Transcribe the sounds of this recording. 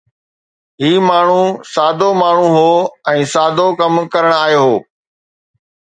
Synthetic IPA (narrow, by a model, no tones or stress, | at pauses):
ɦiːmaːɳ̤ũsaːd̪ʱomaːɳ̤uɦoːɛ̃ːsaːd̪ʱokɐmkɐɾəɽ̃aːɦjoɦoː